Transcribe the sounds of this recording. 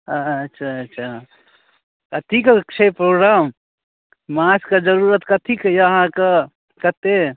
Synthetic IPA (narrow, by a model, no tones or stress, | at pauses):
ətːʃʰaːtːʃʰa | kət̪ʰikkt͡ʃʰepɾoːɡɾam | maskəd͡ʒəɾuɾət̪kət̪ʰikjəɦãkə | kət̪e